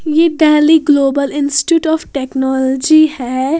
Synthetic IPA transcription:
jeɖɛːliɡloːbəlɪ̃nsʈʈjuːʈɔːfʈɛːknɔːlɔd͡ʒihɛ

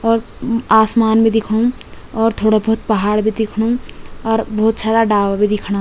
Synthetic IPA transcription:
ɔːɾ | asmanmed̪ikʰɽũ | ɔːɾt̪ʰoɽabəɦut̪̚pəɦaːɽbed̪ikʰɽũɔːɾbəɦut̪sad̪aɖawabed̪ikʰɽa

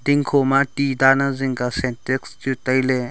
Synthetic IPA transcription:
diŋkʰomatidanaziŋɡasenteksd͡ʒutajle

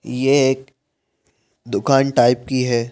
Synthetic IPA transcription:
jeeːk | d̪ʊkaːnʈaːɪp̚kiɦɛː

